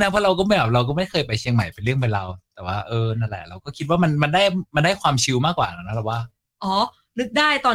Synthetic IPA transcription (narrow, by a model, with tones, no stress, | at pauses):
na˦˥pʰɔː˥˩ɾa˧wkɔː˥˩m˥˩bɛ˨˩ɾa˧wk̬ɔː˥˩ma˥˩jkʰɤː˧jpa˧jt͡ɕʰi˧əŋma˨˩jpe˧nɾɯ˥˩əŋba˧nɾa˧wt̪ɛː˨˩waː˥˩ʔɤː˧na˧ɾa̰˨˩jɾa˧wkɔː˥˩kʰi˦˥t̪̚waː˥˩ma˧nma˧ndaː˥˩jma˧nda˥˩jkʰwaː˧mt͡ɕʰi˧wmaː˥˩kwaː˨˩na˦˩na˦˥ɛ˨˩waː˥˩ | ʔɔː˨˦˥ | nɯ˦˥k̚daː˥˩jt̪ɔː˧